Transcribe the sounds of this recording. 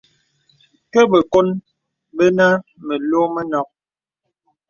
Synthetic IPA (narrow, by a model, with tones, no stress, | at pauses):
kə˦bə˨ko˦n | bə˦na˦mə˨lo˦mə˦nɔ˦p̚